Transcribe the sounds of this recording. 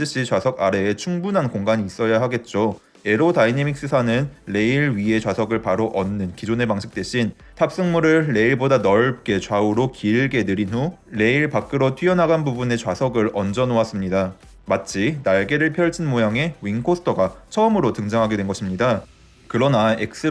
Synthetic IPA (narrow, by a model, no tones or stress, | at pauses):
d͡ʑɯɕ͈it͡ɕwasʰʌɡaɾe̞ːt͡ɕʰuŋbunɦankoŋɡaɲiːs͈ʌjaɦaɡe̞t̚t͡ɕ͈o | e̞ɾodainemik̚s͈ɯsʰanɯnːe̞iɭɥie̞t͡ɕwasʰʌɡɯɭpaɾoʔʌnːɯnkid͡ʑone̞paŋɕʰi̥k̚t͈we̞ɕʰin | tʰap̚s͈ɯŋmuɾɯɭːe̞iɭbodanʌɭp̚k͈e̞t͡ɕwauɾokiɭɡe̞nɯɾinɦule̞iɭpak͈ɯɾotʰɥijʌnɦaɡanbubune̞t͡ɕwasʰʌɡɯɾʌnd͡ʑʌnoas͈ɯmɲida | mat̚t͡ɕ͈ʰinaɭɡe̞ɾɯɭpʰjʌɭd͡ʑʰinmojaŋe̞ɥinkʰosʰtʰʌɡat͡ɕʰʌɯmɯɾotɯŋd͡ʑaŋɦaɡe̞dwe̞nɡʌɕʰimɲida | kɯɾʌnaek̚s͈ɯ